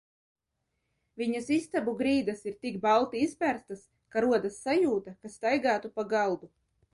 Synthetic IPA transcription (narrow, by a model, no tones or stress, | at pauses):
vʲiɲasist̪abuɡɾiːd̪asiɾt̪iɡbalˠt̪iispʲæɾst̪as | kaɾuɔd̪asːajuːt̪akast̪ajɡaːt̪upaɡalˠd̪u